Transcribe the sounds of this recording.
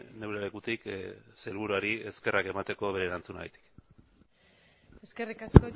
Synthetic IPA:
ne̞wɾelekut̪ikse̞lβuɾuaɾie̞ske̞rʔake̞mat̪e̞ko̞βe̞ɾeːɾant͡suna̰a̰t̪i̥k | eskerikasko

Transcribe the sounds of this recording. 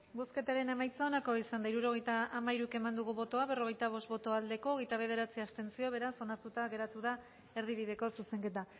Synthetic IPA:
boske̞t̪aɾe̞ne̞majt͡sao̞nako̞isand̪aiɾuɾo̞ɣ̞e̞jt̪aːmaiɾuke̞mand̪uɣuβo̞t̪o̞aβe̞ro̞ɣ̞e̞jt̪aβ̞o̞st̪̚βo̞t̪o̞ald̪e̞ko̞ːɣejt̪aβ̞e̞ð̞e̞ɾat͡siast̪e̞nt͡sio̞β̞e̞ɾaso̞naɾt̪ut̪aɣe̞ɾat̪uð̞a | e̞ɾð̞iβiðe̞ko̞suse̞ŋke̞t̪a

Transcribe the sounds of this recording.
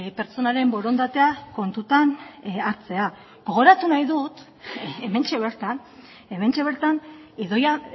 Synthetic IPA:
pe̞ɾt͡so̞naɾe̞mbo̞ɾo̞nd̪at̪e̞ako̞nt̪ut̪anaɾt͡se̞a | ɡ̥o̞ɣ̞o̞ɾat̪unajðut̪ | eme̞nt͡ʃe̞βe̞ɾt̪an | e̞me̞nt͡ʃe̞β̞e̞ɾt̪aniðo̞ja

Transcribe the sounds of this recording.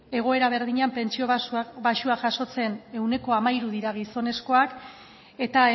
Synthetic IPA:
e̞ɣ̞o̞e̞ɾaβ̞e̞ɾðiɲampe̞nt͡ʃioβaʃuaʝaso̞t͡se̞ne̞wne̞ko̞amajɾuðiɾaɣ̞iso̞ne̞sko̞ak | e̞t̪a

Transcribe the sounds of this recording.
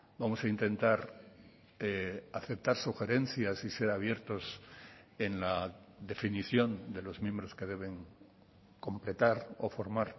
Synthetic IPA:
bamo̞saint̪ẽ̞nt̪aɾ | eaθe̞p̚t̪aɾsuxe̞ɾe̞n̟θjasise̞ɾaβ̞je̞ɾt̪o̞s | e̞nlaðe̞finiθjo̞nd̪e̞lo̞zmjẽ̞mbɾo̞ske̞ð̞e̞β̞e̞ŋ | ko̞mple̞t̪aɾo̰fo̞ɾmaɾ

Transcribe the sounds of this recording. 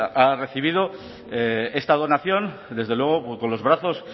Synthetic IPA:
are̞θiβ̞ið̞o̞ | ee̞st̪að̞o̞naθjo̞nd̪e̞zðe̞lwe̞ɣ̞o̞ko̞nlo̞zβɾaθo̞s

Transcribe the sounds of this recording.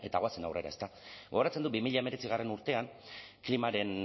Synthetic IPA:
e̞t̪aɣoat͡se̞na̰wre̞ɾa̰est̪aɡoɾat͡send̪ubimiʎaeme̞ɾe̞t͡siɣ̞are̞nuɾt̪e̞anklimaɾe̞n

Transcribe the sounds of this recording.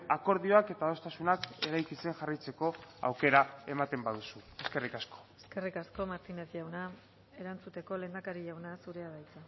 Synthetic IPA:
ako̞ɾðio̞ake̞t̪aðo̞st̪asunake̞ɾajkise̞ŋʝarit͡se̞ko̞a̰wke̞ɾae̞mat̪e̞mbaðusue̞ske̞rikasko̥eske̞rikasko̞maɾt̪ine̞zʝawna | e̞ɾant͡sut̪e̞ko̞le̞ːnd̪akaɾiʝawnasuɾe̞aðajt͡sa

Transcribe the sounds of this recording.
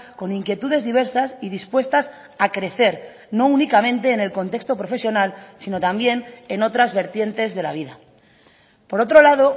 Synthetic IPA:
ko̞niŋkje̞t̪uð̞e̞zðiβ̞e̞ɾsasiðispwe̞st̪as | akɾe̞θe̞ɾ | no̞unikamẽ̞nt̪e̞ːne̞lko̞nt̪e̞kst̪o̞pɾo̞fe̞sjo̞nalsino̞t̪ambje̞ne̞no̞t̪ɾazβe̞ɾt̪je̞nt̪e̞zðe̞la̰β̞iða | po̞ɾo̞t̪ɾo̞laðo̞

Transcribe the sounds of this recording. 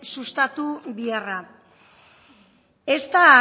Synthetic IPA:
sust̪at̪uβiara | e̞st̪a

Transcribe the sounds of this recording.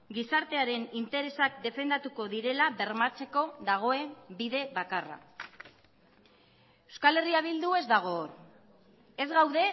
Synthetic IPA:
ɡisaɾt̪e̞aɾe̞nint̪e̞ɾe̞sak̚d̪e̞fe̞nd̪at̪uko̞ðiɾe̞laβe̞ɾmat͡se̞ko̞ðaɣ̞o̞e̞biðe̞βakara̰ | ewskale̞riaβ̞ild̪ue̞zd̪aɣ̞o̞ːr | e̞zɣawðe̞

